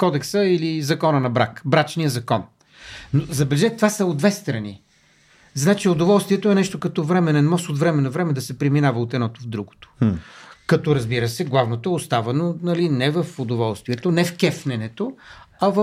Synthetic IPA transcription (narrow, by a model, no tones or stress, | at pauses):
kɔd̪ɛksəilizɐkɔnənɐbɾakbɾat͡ʃnijəzɐkɔn | nozɐbɛlɛʒɛt̪vasɐod̪d̪vɛst̪ɾɐnḭ | znat͡ʃiod̪ovɔlˠst̪vʲiɛt̪oɛnɛʃt̪okɐt̪ɔvɾɛmɛnɛnmɔsot̪vɾɛmɛnɐvɾɛmɛd̪ɐsɛpɾɛminavɐot̪ɛd̪nɔt̪ovd̪ɾuɡo̥t̪o̥ | kɐt̪ɔɾɐzbiɾəsɛɡlˠavnot̪oɛost̪avɐnonɐlinɛvəfod̪ovɔlˠst̪viɛt̪onɛfkɛfnɛnɛt̪oɐv